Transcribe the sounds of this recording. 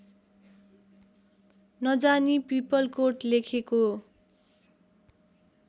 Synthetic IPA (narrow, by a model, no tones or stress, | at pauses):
nʌd͡zanipipʌlkoʈlekʰeko